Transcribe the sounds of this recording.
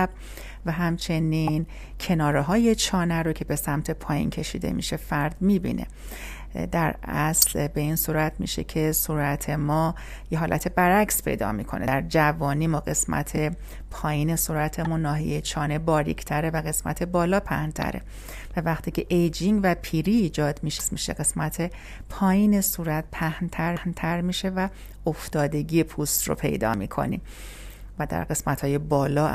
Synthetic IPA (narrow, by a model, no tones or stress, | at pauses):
b̚ | væɦæmt͡ʃʰe̞nin | cʰe̞nɒːɾeɦɒːje̞t͡ʃʰɒːnæɾocʰe̞be̞sæmt̪ʰe̞pʰɒːjḭːncʰe̞ʃḭːd̪e̞̰mḭʃe̞fæɾd̪̥mibḭnḛ | d̪æɾæslbe̞insuːɾæt̪ʰmḭːʃe̞̰cʰe̞suːɾæt̪ʰe̞mɒː | jeɦɒːlʔæ̰t̪ʰe̞bæɾækspʰe̞̰jd̪ɒ̰ːmḭkʰo̞̰nḛæɾd͡ʒævɒːniːmɒːɢe̞smæ̰t̪ʰe̞ | pʰɒːjiːne̞suːɾæt̪ʰemunnːɒːɦḭjejt͡ʃʰɒːne̞bɒːɾḭkʰt̪ʰæɾe̞væɣe̞smæ̰t̪ʰe̞bɒːlɒːpʰæ̰hnt̪ʰæ̰ɾe̞̰ | vævæxt̪ʰiːcʰe̞ʔejd͡ʒiŋɡvæpʰiːɾiːd͡ʒɒːd̪miːʃesmiːʃeɡe̞smæt̪ʰe̞ | pʰɒːjiːnesuːɾæt̪̚pʰæhnt̪ʰæɾhnt̪ʰæɾmiːʃe̞væ | oft̪ɒːd̪e̞ɡiːjepʰuːst̪ro̰pʰe̞̰jd̪ɒ̰ːmḭːkʰo̰nḭm | væd̪æ̰ɾɡe̞smæt̪hɒːje̞bɒːlɒː